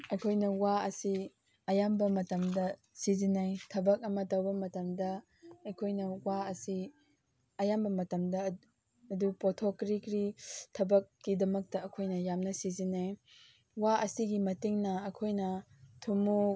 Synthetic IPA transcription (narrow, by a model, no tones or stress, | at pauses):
ɐjkʰojnɐwaɐsi | ɐjambɐmɐtɐmdɐ | sizinajtʰɐbɐk̚ɐmɐtɐwbɐmɐtɐmdɐ | ɐjkʰojnɐwaɐsi | ɐjambɐmɐtɐmdɐ | ɐdupotʰokɾikɾitʰɐbɐk̚ːidɐmɐk̚tɐɐkʰojnɐjamnɐsizinaj | waɐsiɡimɐtiŋnɐːkʰojnɐ | tʰumu